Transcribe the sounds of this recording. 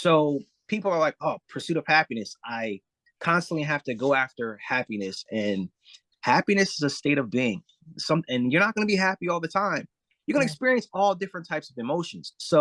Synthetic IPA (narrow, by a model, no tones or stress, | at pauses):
soʊ | pʰipl̩ˠə˞laɪk̚ʌpʰə˞sʉɾʌv̥hæpinɨsʔaɪ | kʰɑ̃nstn̩ʔliɦæftɨɡoʊæftə˞hæpinɨsɨ̃n | hæpinɨsɨzəsteɪɾʌvbiɪ̃ŋ | sʌ̃mɨ̃njə˞nət̚ɡ̥ʌnɨbiɦæpiɔlˠðɨtʰãɪ̃m | jə˞ɡʌnɨːɨkspɪɹiɨ̃nsɔlˠdɪfɹɨ̃ntʰaɪpsʌvɨmoʊʃn̩z̥soʊ